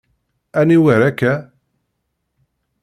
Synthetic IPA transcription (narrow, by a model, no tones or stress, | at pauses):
æniwəɾækːæ